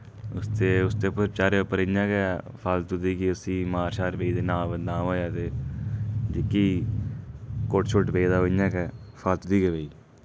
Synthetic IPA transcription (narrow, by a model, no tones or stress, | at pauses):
ʊst̪eːʊst̪eːpəɾt͡ʃaːɾeopːəɾəɲãːkɛː | pʰəlt̪ʊd̪iːkiəsĩːmaːɾʃaːɾbeiːd̪eːnãːbənd̪ãːoːjaːt̪eː | d͡ʒɪkiː | koʈt͡ʃʰoʈbeːd̪aːoɲãːkɛːfʰalt̪ʊd̪iːkebeiː